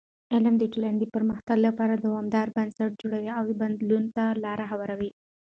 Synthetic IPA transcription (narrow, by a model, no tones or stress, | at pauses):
elamd̪əɪʈalaɳɖipəɾməxt̪aɡlapɑɾad̪awɑmd̪ɑɾbənsaʈ̚d͡ʒoɽawiaweband̪lunt̪alɑɾaɦawaɾawi